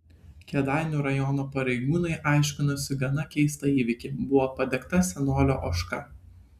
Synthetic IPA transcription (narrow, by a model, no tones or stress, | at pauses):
kʲɛd̪ɑˑɪnʲuːɾɐjɔnoːpɐɾʲɛɪɡuːnɐɪʔɑˑɪʃʲkʲɪnosʲɪɡɐnɐkʲɛɪst̪ɐiːʋʲɪkʲɪbʊʋoːpɐd̪ʲɛkt̪ɐsʲɛnoːlʲoːʔoːʃkɐ